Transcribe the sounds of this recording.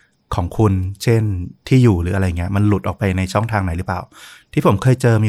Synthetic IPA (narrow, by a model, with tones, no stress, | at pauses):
kʰɔː˩˦ŋkʰu˧nt͡ɕʰe˥˩nt̪ʰiː˥˩juː˨˩ɾɯː˩˦a˧ɾa˧jːa˨˩ŋːi˦˥ɐ˥˧ma˧nlu˨˩t̪̚ʔɔː˨˩kpa˧jna˧jt͡ɕʰɔ˥˩ŋt̪ʰaː˧ŋna˩˦jɾɯː˨˦˥plaː˨˩wt̪ʰiː˥˩pʰo˩˦mkʰɤː˧jt͡ɕɤː˧miː˧